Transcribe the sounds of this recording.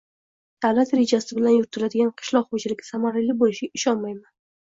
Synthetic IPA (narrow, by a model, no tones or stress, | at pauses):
d̪̥avlat̪ɾe̞d͡ʒasɪbɪlanjʊɾɪt̪ʰɪlad̪ɪɡʲanqʰɨ̥ʃlˠɒqχot͡ʃʰɪlɪkʲɪsamaɾalibolɪʃɪɪʃɒnmajman